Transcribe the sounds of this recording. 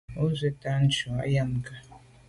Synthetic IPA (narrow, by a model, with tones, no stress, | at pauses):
o˦ze˦ta˦n̩˦t͡ʃɔ˨a̰˦ja˦m˨ka˨